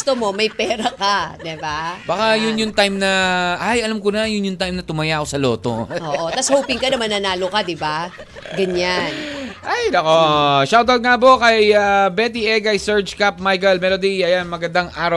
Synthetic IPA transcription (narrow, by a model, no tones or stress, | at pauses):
ʊst̪omo̞mɐjpɛːɾɐkad̪ɛbabakajʊnjʊŋt̪ajmnɐʔajʔɐlɐmkonɐjʊnjʊŋt̪ajmnɐt̪ʊmɐjakosɐlo̞ːt̪o̞̰ʔooːʔot̪ɐshoːpɪŋkɐnɐmɐnːɐnaːlokad̪ɪba | ɡɐɲanʔajd̪ɐkoʃawd̪ɐl̚ŋabokɐjabɛt̪̬iʔɛɡɐjsɛɹd͡ʒkap̚majkɐlmɛːlod̪ijɐjanmɐɡɐnd̪aŋʔaːɾɐ